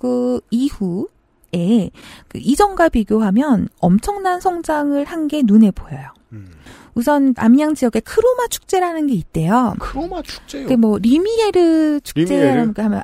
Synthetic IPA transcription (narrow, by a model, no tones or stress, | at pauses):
kɯihu | e̞kɯid͡ʑʌŋɡapiɡjoɦamjʌnʌmt͡ɕʰʌŋnansʰʌŋd͡ʑaŋɯɭhanɡe̞nune̞bojʌjo | usʰʌna̰mɲaŋd͡ʑijʌɡe̞kʰɯɾomat͡ɕʰu̥k̚t͡ɕ͈e̞ɾanɯnɡe̞it̚t͈e̞jokomat͡ɕʰu̥kt͡ɕkemwʌɾimieɾɯt͡ɕʰu̥kk̚t͡ɕ͈e̞ɾaɾanɡeɦamjʌ̰n